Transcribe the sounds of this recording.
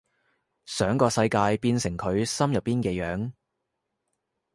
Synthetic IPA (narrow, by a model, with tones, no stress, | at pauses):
sœː˨˥ŋkɔː˧sɐ˧jkaː˧jpiː˧nsɪ˨˩ŋkʰɵ˨˧ɥsɐ˥mjɐ˨˩pːiː˥nkɛː˧jœː˨˥ŋ